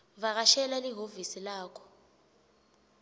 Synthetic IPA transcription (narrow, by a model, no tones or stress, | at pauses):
βaɣ̬aʃɛlaliɦovisilaːkʰɔ̥